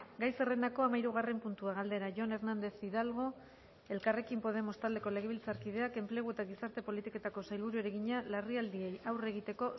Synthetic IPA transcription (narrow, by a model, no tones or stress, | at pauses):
ɡajse̞re̞nd̪ako̞amaiɾuɣ̞are̞mpunt̪uaɣ̞ald̪e̞ɾaʝo̞ne̞ɾnand̪e̞θiðalɣ̞o̞ | e̞lkare̞kimpo̞ð̞e̞mo̞st̪ald̪e̞ko̞le̞ɣ̞e̞β̞ilt͡saɾkiðe̞ake̞mple̞ɣ̞ue̞t̪aɣ̞isaɾt̪e̞po̞lit̪ike̞t̪ako̞sajlβuɾueɾeɣiɲalariald̪ie̞jawre̞ɣ̞it̪e̞ko̞